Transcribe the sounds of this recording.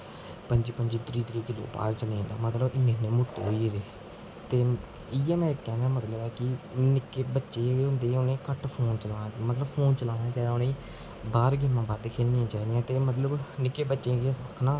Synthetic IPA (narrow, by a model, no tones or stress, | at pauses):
pəɲd͡ʒiːpəɲd͡ʒiːt̪ɾiːt̪ɾiːkɪlo̰ːpa̰ːɾt͡ʃəlẽːnd̪a̰ːmət̪ləbɪnːẽːnːẽːmʊʈːɦoːiːeleː | t̪eː | ɪɛːmɛ̃ːkɛːnaːmət̪ləbɛːkɪnɪkːeːbətːʃeːeːʊ̃nd̪eːʊnẽːkəʈpʰoːnt͡ʃəlaːnaːmət̪ləbpʰoːnt͡ʃəlaːnaːt͡ʃɛːʊnẽː | baːɾɡɪmãːbaːd̪kʰeːlnɪjãːt͡ʃaːd̪ɪjãːt̪eːmət̪ləbnɪkːeːbətːʃẽːkesəkʰnãː